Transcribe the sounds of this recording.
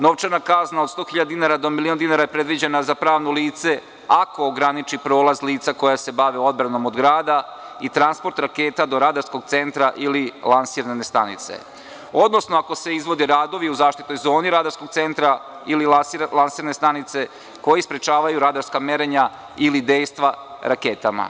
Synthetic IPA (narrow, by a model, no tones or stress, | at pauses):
no̞ʋt͡ʃaɾnakaznaod̪st̪o̞ːxiʎad̪d̪inaɾad̪o̞miliond̪inaɾajepɾe̞d̪ʋid͡ʑenazapɾaːʋnoliːt̪se̞ | ako̞ːɡɾanit͡ʃipɾo̞ːlˠazliːt̪sakojase̞baʋeo̞d̪̚bɾano̞mod̪ɡɾaːd̪ait̪ɾanspo̞ɾt̪ɾakeːt̪ad̪o̞ɾaːd̪aɾskoɡ̚t̪se̞nt̪ɾaʔililˠansiːɾnest̪anḭt̪sḛ | o̞d̪no̞snoako̞se̞izʋo̞d̪iɾaːd̪o̞ʋiuzaːʃt̪it̪o̞jzo̞ːniɾaːd̪aɾskoɡ̚t̪se̞nt̪ɾa | ililalˠansiːɾane̞st̪anit̪se̞ | ko̞jispɾet͡ʃaːʋajuɾaːd̪aɾskameɾeɲa | ilid̪e̞ːjst̪ʋaɾakeːt̪ama̰